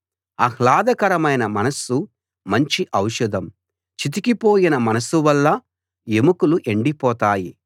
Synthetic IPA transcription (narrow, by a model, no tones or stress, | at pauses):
ɐhlaːd̪ɐkɐɾɐmɐjnɐmɐnɐsu | mɐɲt͡ʃiʔɐwʃud̪ʱɐm | t͡ʃit̪̬ikipo̞ːjinɐmɐnɐsuʋɐlːɐ | emukuluʔeɳɖipɔːt̪aːji